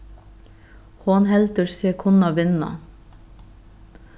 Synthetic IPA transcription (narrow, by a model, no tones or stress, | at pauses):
hoːnhɛlt̪əɾsiːəkʰʊnɑʋɪnɑ̰